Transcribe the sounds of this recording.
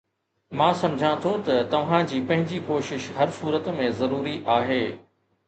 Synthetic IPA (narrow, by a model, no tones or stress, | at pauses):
mãːsɐ̃md͡ʑʱãt̪ʰot̪ɐt̪ɐʋ̤ãd͡ʑiːpɐ̃ɦɪ̃ɲd͡ʑikoːʃɪʃɦɐɾsuːɾət̪mẽzɐɾuːɾiʔaːɦeː